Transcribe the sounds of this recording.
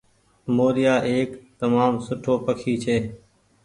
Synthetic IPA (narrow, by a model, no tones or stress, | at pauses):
moːɾɪjaːʔeːkt̪əmaːmsʊʈʰoːpəkʰiːt͡ʃʰeː